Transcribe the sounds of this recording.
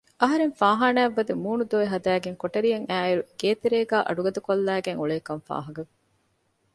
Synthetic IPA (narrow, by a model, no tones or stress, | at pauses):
ʔɐɦɐɾeŋfaːɦaːnæːʋːɐd̪emuːnud̪oːeɦɐd̪æːɡeŋkoʈɐɾijɐŋæːiɾuɡ̥eːt̪eɾeːɡæːʔɐ̰ɖuɡɐd̪ɐkolːæːɡeŋuɭeːkɐɱfa̰ːɦɐɡɐ